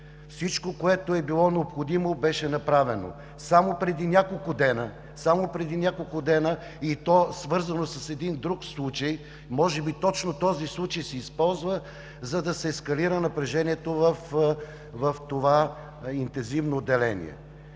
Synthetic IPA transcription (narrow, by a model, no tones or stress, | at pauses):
fsit͡ʃkokoɛt̪oɛbilˠɔnɛopxod̪imobɛʃɛnɐpɾavɛno̰ | samopɾɛd̪inʲakolˠkʊd̪ɛnə | samopɾɛd̪inʲakolˠkʊd̪ɛnə | it̪ɔsvɤɾzɐnosɐsɛd̪ind̪ɾukslˠut͡ʃəj | mɔʒɛbit̪ɔt͡ʃnot̪ɔzislˠut͡ʃəjsɛispɔlˠzvə | zɐd̪ɐsɛːskɐliɾənɐpɾɛʒɛnʲiɛt̪ovəf | vɐft̪ova | int̪ɛnzivnoːd̪ːɛlɛnʲḭɛ̰